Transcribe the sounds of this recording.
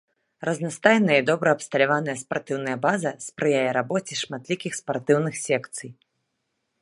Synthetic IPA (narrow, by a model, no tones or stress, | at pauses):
rɐznast̪ajnɐjɐid̪ɔbɾɐɐpst̪ɐlʲavanɐjɐspart̪ɨwnɐjɐbazɐspɾɨjajɛɾabɔt͡sʲiʂmat̪lʲikʲixspart̪ɨwnɨxsʲɛkt̪sɨj